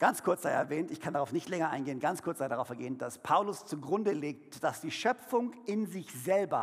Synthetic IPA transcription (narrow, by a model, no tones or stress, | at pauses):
ɡ̥ant͡skʰʊɐt͡sz̥aɪəɛɐvɛːntɪçkʰandaʁaʊfnɪçtlɛŋɐʔa̰ɪnɡeːənɡant͡skʰʊɐt͡sz̥aɪədaʁaʊfɛɐɡeːənd̥aspʰaʊlʊst͡suɡʁʊndəleːk̚td̥asd̥iːʃœp͡fʊŋɪnzɪçz̥ɛlbɐ̰